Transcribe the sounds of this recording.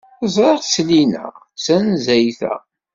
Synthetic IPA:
zˤɾeʁslinæ̰ | sænzæjθæ̰

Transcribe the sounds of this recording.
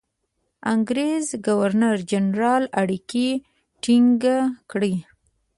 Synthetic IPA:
aŋɡɾezɡawaɾnaɾd͡ʒanɾɑlaɽiki | ʈiŋɡakɽi

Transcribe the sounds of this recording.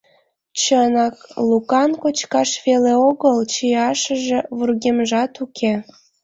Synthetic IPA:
t͡ɕənɑklukɑnkot͡ɕkɑʃβeleoɣəlt͡ɕijɑʃəʒeβurɣemʒɑt̪ukʰe

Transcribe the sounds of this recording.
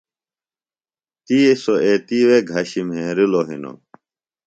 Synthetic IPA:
t̪iesoeːt̪iweɡʱɐɕimɦẽɾiloɦḭno̰

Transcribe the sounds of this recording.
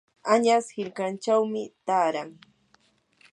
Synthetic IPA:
aɲashɪʎkant͡ʃawmɪt̪aːɾaŋ

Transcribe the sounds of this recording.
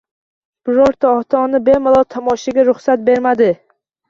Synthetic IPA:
b̥ɪɾɒɾt̪ʰaɒt̪ʰɒnɪbe̞malˠɒt̪ʰɒmɒʃaɡʲaɾʊχsat̪̚be̞ɾmad̪ɪ

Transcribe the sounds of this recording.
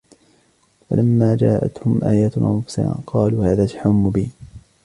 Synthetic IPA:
fa̰lʔamːaːd͡ʒaːʔa̰t̪hʊmʔaːjaːt̪ʔa̰nfʊ̥sa̰a̰ːqɑːluːhaːðaːt̪aħaʊmːʊbiːn

